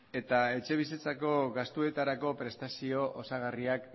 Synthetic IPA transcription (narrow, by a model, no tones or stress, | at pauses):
e̞t̪ae̞t͡ʃe̞β̞iset͡sako̞ɣast̪ue̞t̪aɾako̞pɾe̞st̪asio̞ʔosaɣ̞ariak